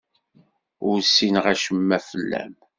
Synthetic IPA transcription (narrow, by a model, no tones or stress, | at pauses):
ʊɾsːinʁæʃəmːæfəlːæ̰m